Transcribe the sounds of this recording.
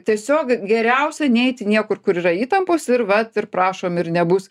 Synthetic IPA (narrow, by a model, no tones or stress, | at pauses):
t̪ʲiɛsʲoːkɡʲɛɾʲɛʊsʲɛnʲɛɪt̪ʲɪnʲiɛkʊrkʊɾiːɾɐiːt̪ɐmpoːsɪrʋɐt̪ɪrpɾɑːʃoːmɪrnʲɛbʊs